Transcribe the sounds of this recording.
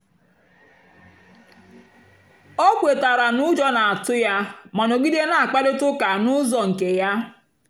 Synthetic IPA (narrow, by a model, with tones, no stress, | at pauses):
ɔ˦kʷe˨ta˨ɾa˨nʊ˦d͡ʒɔ˦na˨a˨tʊ˦ja˦ma˨no˨ɡi˦de˦na˨a˨k͡pa˦de˦tʊ˦ka˨nʊ˦zɔ˨ŋ̩˨ke˨ja˦